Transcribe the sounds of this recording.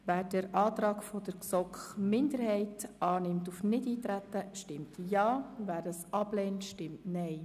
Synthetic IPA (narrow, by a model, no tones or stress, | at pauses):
væːɾd̥ɛɾʔɑːt̪ɾɑːkfɔd̥əɾksɔkχmɪnd̪əɾhɛɪtʔɑːnɪmtufnɪdiːtɾæt̪ːəʃtɪmtjɑːvæːɾəsɑblɛːntʃtɪmtnɛɪ